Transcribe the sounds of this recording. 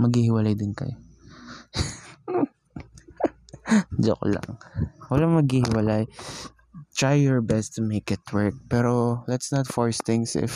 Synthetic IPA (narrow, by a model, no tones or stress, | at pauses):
mɐɡhihɪwɐlajd̪ɪnkɐ̰jo | d͡ʒo̰kla̰ŋwɐlaŋmɐɡhiːhɪwɐlaj | t̪ɹajːɔɹbɛst̪ʊmejkɪt̪wɛɹk̚pɛɾolɐt̪snɐt̪fɔɹst̪ɪ̃ŋsɪ̰f